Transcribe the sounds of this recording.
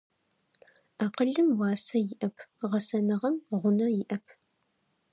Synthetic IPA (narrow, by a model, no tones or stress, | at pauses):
aːqəɮɨmwɑːsɐjɪʔɐpʰʁɐsɐnɨʁɐmʁʷʊnɐjɪʔɐpʰ